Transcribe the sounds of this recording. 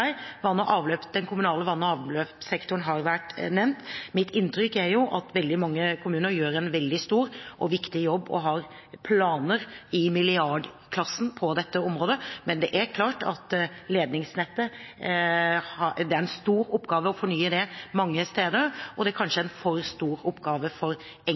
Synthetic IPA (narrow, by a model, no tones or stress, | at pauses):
ʋɑnːəʔɑːʋløːpd̪ɛnkʰʊmʉnɑːləʋɑnːəɑːʋløːpsɛkt̪ʊɳɦɑɾʋæʈnɛmnt̪mɪt̪ɪnt̪ɾʏkːæɾjʊʔɑt̪ʋɛld̪ɪmɑŋːəkʰʊmʉːnəɾjøːɾɛnʋɛld̪ɪst̪uːɾʔɔʋɪkt̪ɪjɔbːɔ̰ɦɑɾ | pʰlɑːnəɾɪmɪlɪɑɖ | kʰlɑsːn̩pʰɔd̪ɛt̪ːəɔmɾoːd̪əmɛnd̪ɛʔæɾkʰlɑːʈɑt̪leːd̪nɪŋsnɛt̪ːə | ɑd̪ɛæɾɛnst̪uːɾɔpːɡɑːʋəɔfɔɳyːəd̪ɛmɑŋːəst̪eːd̪əɔd̪ɛæɾkʰɑnʂəæɛnfɔɾst̪uːɾɔpːɡɑːʋəfɔɾ | ɛ